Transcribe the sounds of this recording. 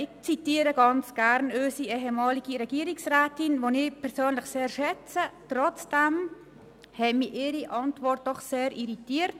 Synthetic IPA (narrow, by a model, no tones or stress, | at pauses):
ɪçt͡sitiːəɾəɡɑnt͡sɡ̥æɾnøʏsiɛɦəmɑːliɡ̥iɾɛɡ̥iəɾɪksrɛːtɪnʋonɪpʰɛɾsøːnlɪxseːɾʃɛt͡sətrɔt͡sd̥ɛm | hɛmiʔɪːɾiʔɑntvɔrt̚d̥ɔχseːɾiɾitiːəɾt